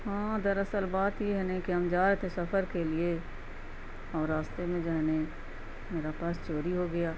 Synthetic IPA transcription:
ɦãːd̪ɐɾɐsəlbaːt̪jeɦɛnekiɦɐmd͡ʒaːɾt̪ẽsɐfʰəɾkelie | ɔːɾːaːst̪emẽd͡ʒaɦɛne | meːɾapaːst͡ʃoːɾiɦoɡɐjaː

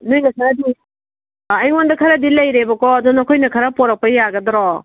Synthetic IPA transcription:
nujnɐkʰɐɾadiː | jwondɐkʰɐɾadilɐjɾebɐkɔːdunɔkʰojnɐkʰɐɾapɔɾak̚pɐjaɡɐdɔɾɔ

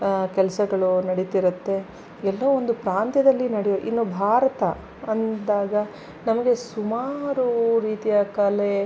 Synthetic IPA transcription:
kɛlɐsɐɡɐɭunɐɽit̪iɾut̪ːe̞ | ɛlːɐond̪upɾaːnt̪jɐd̪ɐlːinɐɽɛjoʔinːobʱaːɾɐt̪ɐ | ɐnd̪aːɡɐ | nɐmɐɡe̞sumaːɾuɾiːt̪ijɐkɐle

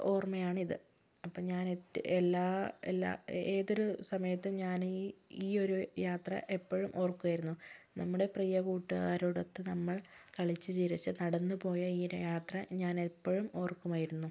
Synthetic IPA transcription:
o̞ːrmɐjaːɳiðɨ | ɐpːoɲaːnetelːaːḛlːa̰ːe̞ːðo̞ɾusɐmɐjɐt̪ːumɲaːniiːo̞ɾujaːt̪rɐ̰ʔe̞pːoɻumʔo̞ːrkːuʋaːjiɾunːunɐmːuɽe̞prijɐkuːʈːuɣaːɾuɽɐt̪ːɨnɐmːɐɭkɐɭit͡ɕːɨt͡ɕiɾit͡ɕːɨnɐɽɐnːɨpo̞ːjɐiːjaːt̪rɐɲaːnepːoɻumo̞ːrkːumaːjiɾunːu

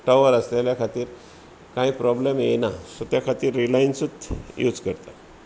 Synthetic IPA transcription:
ʈəʋəɾəsleljakʰat̪iːɾ | kaipɾɔblemjenasot̪jakʰat̪iːɾːilajinsut̪jṵd͡zkəɾt̪a

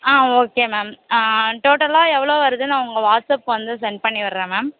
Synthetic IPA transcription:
aːoːkeːmeːmʈoːʈɐlaːɛʋːɐɭoːʋɐɾɯðɯnãːʊŋɡɐʋaːʈsɐpːʋɐnd̪ɯsɛɳɖ̚pɐɳːiʋɐɾɾẽːmeːm

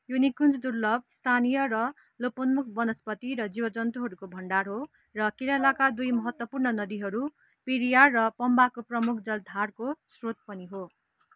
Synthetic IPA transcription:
junikund͡zd̪urlʌb̚st̪ʰanijʌrʌ | lopʌnmukʰbʌnʌspʌt̪iɾʌd͡zibʌd͡zʌnt̪uɦʌɾukobʱʌɳɖarɦo | rʌkiɾalakad̪ujmʌɦʌt̪wʌpurnʌnʌd̪iɦʌɾu | piɾijarʌpʌmbakoprʌmukʰd͡zʌld̪ʱarkosrot̪̚pʌniɦo

